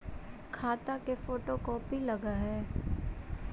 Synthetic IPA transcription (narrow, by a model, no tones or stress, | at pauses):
kʰaːt̪akefoːʈokɔːpilɐɡaɦɛː